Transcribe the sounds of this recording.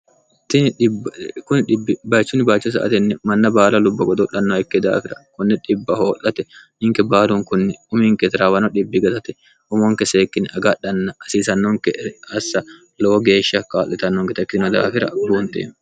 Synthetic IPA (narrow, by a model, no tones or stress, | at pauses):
t̪ɪnᶑɪbkʊnᶑɪbːɪbaːt͡ʃːʊnɪbaːt͡ʃːɛs̬ɐ̰ʔɐ̰t̪ɛnːɛmɐnːɐbaːlɐlʊbːɐɡɔd̪ʊɗɐnːɔɛkːɛd̪a̰ːfɪɾɐkʊnːɪᶑɪbːɐhoːlːɐt̪ɛ | ɪŋkɛbaːluŋkʊnːɪʊmɪŋkɛt̪ɪɾaːbɐnɔᶑɪbːɪɡɐt̪ɐt̪ɛ̥ | ʊmoŋkɛseːkːɪnɐɡɐɗɐnːɐɐsiːsɐnːɔŋkɛɐsːɐ | loːɡeːʃːɐkaːlːɛt̪ɐnːɔŋkɛt̪ɐkːɪnɔd̪a̰ːfɪɾɐ̰buːnt̪ḛː